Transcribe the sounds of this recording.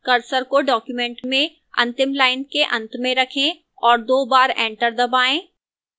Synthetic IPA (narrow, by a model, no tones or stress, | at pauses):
kɐɾsəɾkoɖɔːkjumɛ̃ːɳʈmẽ | ɐ̰̃nt̪ɪmlaːɪnkeʔɐ̃nt̪mẽɾɐkʰẽ | ɔːɾd̪oːbaːɾɛ̃ːɳʈəɾd̪ɐbaːẽː